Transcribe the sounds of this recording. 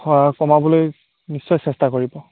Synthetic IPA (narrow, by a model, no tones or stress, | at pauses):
ɔakɔmabɔloj | nisːɔjsɛstakoɹibɔ